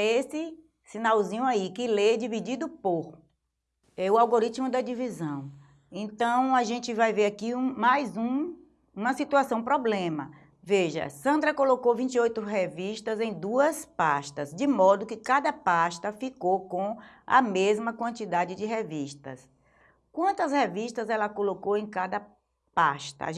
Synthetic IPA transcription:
esɪ | sĩnawzĩɲʊaikɪled͡ʒivid͡ʒid̪ʊpoɾ | ɛʊawɡoɾit͡ʃmʊd̪ɐd͡ʒivizɐ̃w̃ | ẽnt̪ɐ̃w̃aʒẽnt͡ʃɪvajveɾakiũmajzũ | ũmɐsit̪uasɐ̃w̃pɾɔblẽmɐ̰ | veʒɐ̰sɐ̃nd̪ɾɐkolokowvĩnt͡ʃiojt̪ʊɦeviʃt̪ɐzẽj̃d̪uɐspaʃt̪ɐzd͡ʒɪmɔd̪ʊkɪkad̪ɐpaʃt̪ɐfikowkõɐ̰mezmɐkwɐ̃nt͡ʃid̪ad͡ʒɪd͡ʒɪɦeviʃt̪ɐ̰s | kwɐ̃nt̪ɐsheviʃt̪ɐzɛlɐkolokowẽj̃kad̪ɐ | paʃt̪ɐ̰

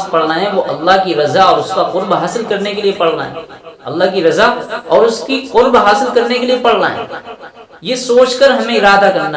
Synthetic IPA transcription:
spɐɽ̤naɦɛ̃ʋoʔɐlːaɦkiɾɐzaɔːɾʊskaqʊɾbɦaːsɪlkɐɾnekeliepɐɽ̤na̰ɦɛ̰ːɐ̰lːaɦkiɾɐzaɔːɾʊskiqʊɾbɦaːsɪlkɐɾnekeliepɐɽ̤na̰ɦɛ̰ː | jesoːt͡ʃkəɾɦɐmẽɪɾaːd̪akɐɾna

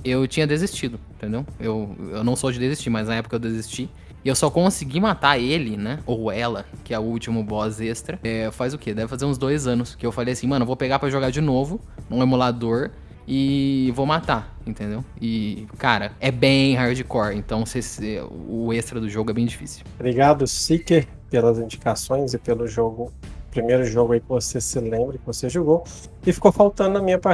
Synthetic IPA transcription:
ewt͡ʃĩɲɐd̪ezist͡ʃid̪ʊẽt̪ẽnd̪ewewewnɐ̃w̃sod͡ʒɪd̪ezist͡ʃimɐznɐɛpʊ̥kɐewd̪ezist͡ʃi | ɪewsɔkõsiɡimat̪aelɪnɛowɛlɐkɪɛʊuwt͡ʃimʊbɔzest̪ɾɐɛfazʊked̪ɛvɪfazeɾũzd̪ojzɐ̃nʊskɪewfalejɐasĩmɐ̃nɐvowpeɡapɾɐʒoɡad͡ʒɪnovʊ | ũemulad̪oɾ | ɪvowmat̪aĩnt̪ẽnd̪ewɪkaɾɐɛbẽj̃ɦaɾd͡ʒɪkɔɾẽnt̪ɐ̃w̃sesɛ̰ʊest̪ɾɐd̪ʊʒoɡʊɛbẽj̃d͡ʒifḭsiwbɾiɡad̪ʊsikeɾ | pelɐzĩd͡ʒi̥kasõj̃zɪpelʊʒoɡʊpɾimejɾʊʒoɡʊɐikɪvosesɪlẽmbɾɐkɪvoseʒoɡo | ɪfi̥kowfawt̪ɐ̃d̪ʊnɐmĩɲɐpa

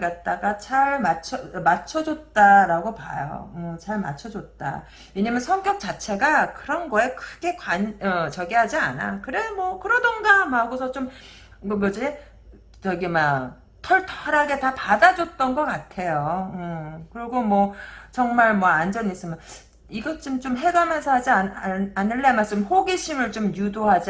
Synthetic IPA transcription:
ɡat̚t͈aɡat͡ɕaɭmat͡ɕʰʌmat͡ɕʰʌd͡ʑot̚t͈aɾaɡopa̰jo̰ɯt͡ɕaɭma̰t͡ɕʰʌd͡ʑot̚t͈a̰ | eɲamjʌnsʰʌŋk͈jʌk̚t͡ɕ͈at͡ɕʰe̞ɡakɯɾʌnɡʌe̞kʰɯɡ̥e̞kwaɲʌt͡ɕʌɡiɦad͡ʑiana̰kɯɾemwʌkɯɾʌdʌnɡamaɡosʰʌt͡ɕom | mʌd͡ʑie | t͡ɕʌɡima | tʰʌɭtʰʌɾaɡe̞tapadad͡ʑʌt̚t͈ʌnɡʌk͈atʰe̞joɯkɯɾiɡomwʌt͡ɕʌŋmaɭmwʌand͡ʑʌnis͈ɯmjʌn | iɡʌt͡ɕ͈ɯmt͡ɕomɦe̞ɡamjʌnsʰʌɦad͡ʑianɯɭːemaɭs͈ɯmhoɡiɕʰimɯɭt͡ɕomjudoɦad͡ʑ

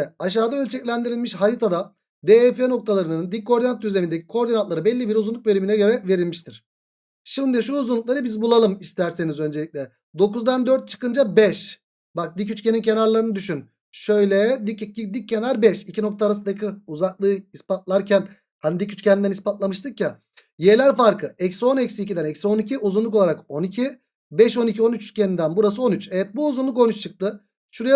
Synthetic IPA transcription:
ɛaʃ̬aːd̪aø̞lʲt͡ʃʰɛcʲlʲænd̪iɾilʲmiʃɦaɾit̪ʰad̪a | d̪eːɛfeno̞k̚t̪ʰalˠaɾɯnɯnd̪ikkʰːo̞ɾinant̪ːjyze̞mind̪ecʰi̥kʰo̞ɾd̪inant̪lˠaɾɯbɛlʲːibiɾuzunˠuk̚belʲyminɛɟø̞ɾɛve̞ɾilʲmiʃt̪ʰiɾ̥ | ʃimd̪iʃuːzunlˠuk̚lˠaɾɯbizbulˠalˠɯmist̪ʰæɾse̞nizø̞nd͡ʒeic̚ʲlʲɛ | d̪o̞kuzd̪and̪øɾt̪̚t͡ʃʰɯ̥kɯnd͡ʒabɛʃ | bak̚d̪icyt͡ʃcʰenincʰe̞naɾlˠaɾɯnɯd̪yʃyn | ʃø̞jlʲɛd̪iid̪icʰːe̞naɾbɛʃicʰino̞k̚t̪ʰaːɾasɯd̪akʰɯuzaklˠɯːispat̪̚lˠaɾcʰæn | hanid̪icyt͡ʃcʰʲɛnnd̪ænispat̪lˠamɯʃt̪ʰɯkja | jelʲæɾfaɾkʰɯɛcso̞nɛcsiicid̪ænɛcso̞nicʰiʔuzunlˠuk̬o̞lˠaɾako̞nicʰi | bɛʃo̞nicʰio̞nyt͡ʃyt͡ʃcʰʲenind̪ænbuɾasɯo̞nyt͡ʃɛvɛt̪̚buːzunlˠuk̬o̞nyt͡ʃt͡ʃʰɯk̚t̪ʰɯ | ʃuɾaj

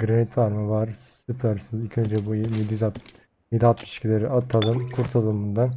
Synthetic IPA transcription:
ɡɯɾanit̪vaɾmɯvaɾsypʰæɾsɯzilʲcʰø̞nd͡ʒɛbujmed̪zat̪ | med̪iat̪ʰːiʃcʲʰilʲeɾiʔat̪ʰːad̪ˠɯmkʰuɾt̪ʰalˠɯmɯnd̪a

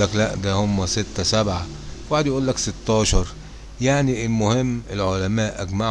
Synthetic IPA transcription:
æklæʔd̪æhʊmːæsɪt̪ːæsabʕa | waħed̪jaʔuːlːæksɪt̪ːɑːʃɑɾˤ | jaʕniɪlmʊhɪmːɪlʕolæmæːʔæɡmaʕ

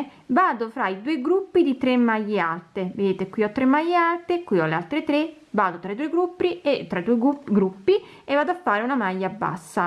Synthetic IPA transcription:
vaːd̪ofɾaid̪uːeɡɾupːid̪it̪ɾemːajːealt̪eved̪eːt̪ekwiːɔt̪ːɾemːajːealt̪ekːwiːɔlealt̪ɾet̪ɾe | vaːd̪ot̪ɾaid̪uːeɡɾupːɾiet̪ːɾaid̪uːeɡuɡɾupːi | evːaːd̪oafːaːɾeunamajːabːa̰sːa

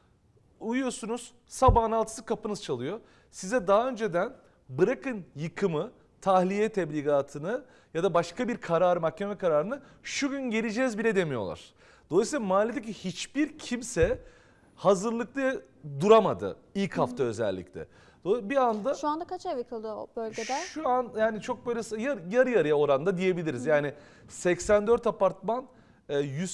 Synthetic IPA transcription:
ujujosunuz̥ | sabaːnalˠt̪ʰɯ̥sɯkʰapɯnɯzt͡ʃʰalˠɯjo̞ | sizɛd̪aɦaø̞nd͡ʒe̞d̪æn | bɯɾakɯnjɯkʰɯmɯ | t̪ʰahlʲijɛt̪ʰɛblʲiːɡaːt̪ʰɯnɯ | jad̪abaʃkabiɾkʰaɾaːɾɯmahcʰe̞mɛkʰaɾaːɾɯnɯ | ʃuɟynɟeɾʲid͡ʒɛːzbilʲɛd̪e̞mijo̞̰lˠa̰ɾ̥ | d̪̥oasilˠamaːlʲed̪ec̬ihit͡ʃb̥iɾcʰimsɛ | hazɯɾlˠɯk̚t̪ˠa | d̪uɾamad̪ɯ̰ | ilʲchaft̪ʰaø̞zɛ̰lʲːḭclʲɛ̰ | d̪obiand̪aʃuand̪akʰat͡ʃavikʰɯlˠd̪ɯo̰bølʲɟʲed̪ɛʃuanjaːnit͡ʃʰo̞k̚bø̞jlʲɛsjajaɾɯjaɾɯjao̞ɾand̪ad̪ije̞bilʲiɾizjaːnɪ | sɛcsænd̪øɾt̪apaɾt̪manː | jyz

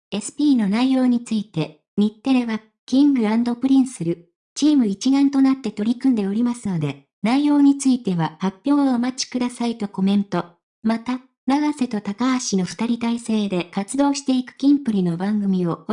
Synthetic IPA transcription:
e̞sɨ̥pʲiːno̞naijo̞ːɲ̟it͡sɨit̪e̞ | ɲ̟it̪ːe̞ɾe̞βa | kʲĩŋɡɯ̟ãnd̪o̞pɯ̟ɾʲĩɰ̃sɨɾɯ̟ | t͡ɕiːmɯ̟it͡ɕiɡãnt̪o̞nat̪ːe̞t̪o̞ɾʲikɯ̟̃nd̪e̞o̞ɾʲimasɨno̞d̪e̞ | naijo̞ːɲ̟it͡sɨit̪e̞βahapʲːjo̞ːomat͡ɕi̥kɯ̟d̪asait̪o̞ko̞mẽ̞nt̪o̞ | mat̪a | naɡase̞t̪o̞t̪akaaɕino̞ɸɯ̥t̪aɾʲit̪aise̞ːd̪e̞kat͡sɨd̪o̞ːɕi̥t̪e̞ikɯ̟̥kʲĩmpɯ̟ɾʲino̞bãŋɡɯ̟mʲio̞

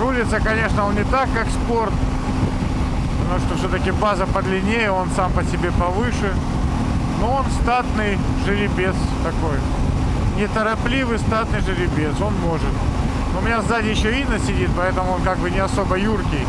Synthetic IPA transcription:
ɾulʲɪt̪səkɐnʲe̞ʂnəo̞nnʲɪt̪akːakspo̞rt̪ | pət̪ɐmuʂt̪ofsʲot̪əkʲɪbazəpəd̪lʲɪnʲejəo̞nsampəsʲɪbʲe̞pɐvɨʂɨ | noo̞nst̪at̪nɨj | ʐɨɾʲɪbʲe̞st̪ɐko̞j | nʲɪt̪əɾɐplʲivɨjst̪at̪nɨjʐɨɾʲɪbʲeso̞nmo̞ʐɨt̪ | noʊmʲɪnʲazd̪atʲjɪɕːoinːəsʲɪdʲit̪̚pɐɛt̪əmʊo̞nkaɡ̚bɨnʲɪɐso̞bəjurkʲɪj

